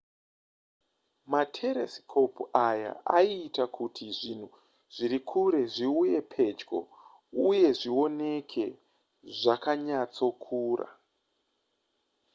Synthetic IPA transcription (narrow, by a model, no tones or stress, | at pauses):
matʰe̞ɾeskʰo̞puaja̰aiːtakutʰiʐin̤u | ʐ̥iɾikʰuɾe̞ʐiuje̞pʰe̞d͡ʒɡo̞̰ | uje̞ʐio̞ne̞kʰe̞ | ʐakaɲat͡so̞kʰuːra̰